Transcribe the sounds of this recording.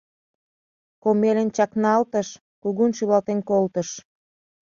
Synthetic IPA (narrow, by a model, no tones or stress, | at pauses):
komelʲənt͡ɕɑknɑlt̪əʃ | kuɣunʃyβɑlt̪enkolt̪əʃ